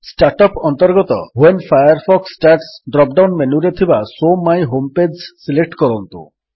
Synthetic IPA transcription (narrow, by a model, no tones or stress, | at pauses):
sʈaɾʈɔpɔnt̪ɔɾɡɔt̪ɔɦuenfʰajaɾfʰɔksʈaɾʈsɖɾɔp̚ɖawnmenuɾet̪ʰibasomajɦomped͡ʒsilek̚ʈkɔɾɔnt̪ṵ